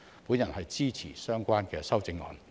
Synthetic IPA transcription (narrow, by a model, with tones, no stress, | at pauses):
pu˨˥njɐ˨˩nhɐ˨jt͡siː˥t͡sʰḭː˨˩sœː˥ŋkʷaː˥nkɛː˧sɐ˥wt͡sɪ˧ŋɔ̰ː˨˧n